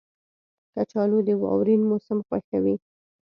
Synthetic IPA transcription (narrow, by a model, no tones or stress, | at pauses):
kat͡ʃɑlod̪əwɑ̰wɾinmosamxwaxawi